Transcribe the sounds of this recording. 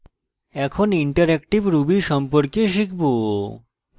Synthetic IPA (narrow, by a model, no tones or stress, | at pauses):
ɛkʰoniɳʈaɾɛkʈibɾubiɾʃɔmpoɾkeʃ̬ikʰbo